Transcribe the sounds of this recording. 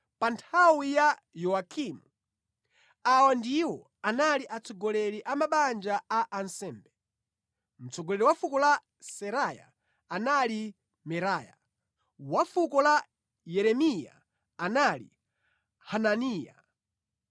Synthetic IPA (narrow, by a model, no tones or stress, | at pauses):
pantʰawija | jɔakʰimu | awandiwɔ | analiʔat͡sʰɔɡɔlɛɾiʔamaɓand͡ʒaaʔːnsɛːmbɛ | m̩t͡sɔɡɔlɛɾiwafukɔla | sɛɾaja̰ | anali | mɛɾaːja̰ | wafukɔla | jɛɾɛmija̰ | analḭ | hananiːja̰